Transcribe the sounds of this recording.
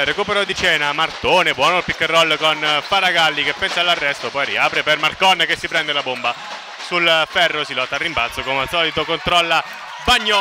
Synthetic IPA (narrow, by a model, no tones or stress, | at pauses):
rekupeɾod̪it͡ʃɛːnamart̪oːnebwɔːnolpikːerːɔlːkonfaɾaɡalːikepːɛnsalːarːɛst̪opɔjɾḭaːpɾepermarkɔnkesːipɾɛnd̪elabomba | sulfɛrːosilɔt̪ːaːrːimbalt̪sokomasɔːlit̪okont̪ɾɔlːa | baɲːɔ